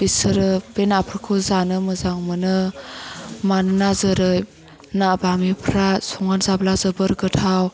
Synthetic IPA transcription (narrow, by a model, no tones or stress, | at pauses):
b̥isɯɾɯb̥enapʰɾkʰɯzanɯmɯzaŋmɯnɯ | manɯnazɯɾɯj | nabamipʰɾasɔŋanzablazɯbɯɾɡɯtʰaw